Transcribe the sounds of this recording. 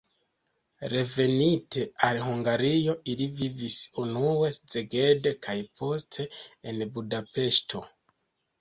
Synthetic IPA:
ɾe̞ve̞nite̞alhuŋɡaɾijo̞ilivivisunue̞sze̞ɡe̞dekʰajpʰo̞stʰe̞ːnbudape̞ʃtʰo̞

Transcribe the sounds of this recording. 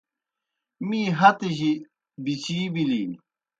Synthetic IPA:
miːɦɐt̪eʑi | bit͡ɕiːbiliː

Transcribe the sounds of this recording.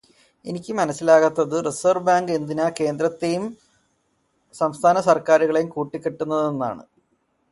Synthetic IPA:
e̞nikʲːɨmɐnɐsːilaːɣɐt̪ːɐðɨresɐrbaːŋɡend̪inɐke̞ːnd̪ɾɐt̪ːejum | sɐmst̪ʰaːnɐsɐrkaːɾuɣɐɭejumkuːʈːikʲːeʈːunːɐðe̞nːa̰ːɳɨ̰

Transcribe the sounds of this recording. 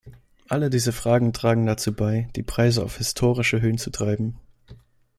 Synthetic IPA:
ʔalədiːzəfʁ̥aːɡŋ̩tʁ̥aːɡŋ̩dat͡suːbaɪd̥iːpʁ̥aɪzəa̰ʊfhɪstʰoːʁɪʃəɦøːənt͡sutʁ̥aɪbm̩

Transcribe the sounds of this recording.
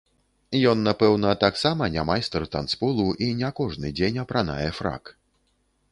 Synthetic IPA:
jɔnːapɛwnɐt̪aksamɐnʲamajst̪ɛrt̪ant̪spulˠuʔinʲɛkɔʐnɨd͡zʲenʲɐpɾana̰jɛfɾa̰k

